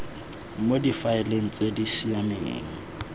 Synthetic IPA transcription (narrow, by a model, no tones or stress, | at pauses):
modifaɪleŋ̩t͡sʼedisiamḛːŋ̩